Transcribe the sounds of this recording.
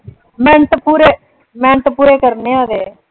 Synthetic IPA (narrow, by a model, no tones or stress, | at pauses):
mɛ̃ːɳt̪puːɾe | mɛ̃ːɳt̪puːɾeːkəɾneːaːd̪eː